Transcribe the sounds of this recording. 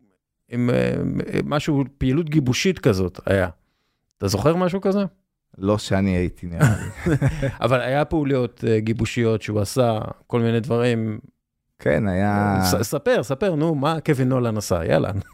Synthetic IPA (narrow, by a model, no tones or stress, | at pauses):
im̰ | maʃupiːlutɡibuʃitkazo̞ta̰ja | t̪azo̞χe̞ʁmaʃ̬ukaze | lo̞ʃeaniait̪ʰini | a̰valajapeulio̞tɡibuʃijo̞tʃeuasako̞lminedvaʁim | kʰḛnajasape̞ʁsape̞ʁnumakevinolanasa̰ja̰la̰n